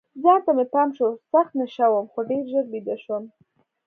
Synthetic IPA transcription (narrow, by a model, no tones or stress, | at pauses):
zɑnt̪amepɑmʃosaxt̪naʃawəmxoɖeɾʒəɾbid̪aʃwəm